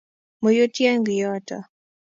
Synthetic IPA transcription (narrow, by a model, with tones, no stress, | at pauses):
mo˨jo˦tja˦ŋɡi˨jɔ˦ta̰˨